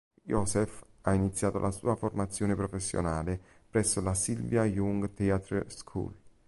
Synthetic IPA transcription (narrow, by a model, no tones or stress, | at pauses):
jɔsɛf | ainit̪sːjaːt̪o̰lʔasṵːaformat̪sːjoːnepɾofesːjo̰naːle | pɾɛsːolasilvjajuŋɡt̪ɛat̪ɾskʰṵl